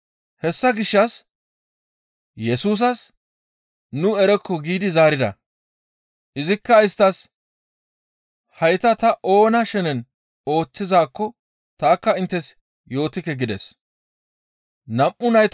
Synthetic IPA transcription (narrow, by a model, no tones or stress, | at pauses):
hɛsːɐɡɪʃːɐs | jɛsuːs̬ɐs | nʊɛɾɛkːɔɡiːd̪ɪzaːɾɪd̪ɐ̰ | ʔɪzɪkːɐɪst̪ːɐs | hɐjt̪ɐt̪ɐʔo̞ːnɐʃɛnɛn | o̞ːt͡sːɪzaːkːɔ | t̪aːkːɐɪnt̪ːɛs | jo̞ːt̪ɪkːɛɡɪd̪ɛs | nɐmʔːʊnɐjt̪